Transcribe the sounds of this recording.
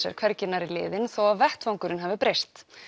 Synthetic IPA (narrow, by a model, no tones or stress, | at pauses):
jɛ̰ɾ̥kʰvɛɾcɪnaɾilɪ̰ːðɪnθowavɛht̪vawŋkʏɾɪnɦavɪpɾejst̪